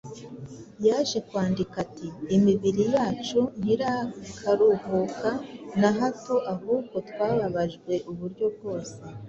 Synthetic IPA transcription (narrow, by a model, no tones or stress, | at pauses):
jaːʒe̞kwaːndikatiːmiβiɾijaːt͡ʃun̥hiɾaikʰaɾuhukanaɦato̞ʔaɦuːɡo̞twaːβaβaʒɡwe̞ʔuβuɾɟo̞b̚ɡo̞ːse̞